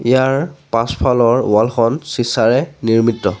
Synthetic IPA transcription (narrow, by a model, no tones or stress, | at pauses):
ijaɹpãspʰalɔɹwalxɔnsisaɹɛniɹmitːɔ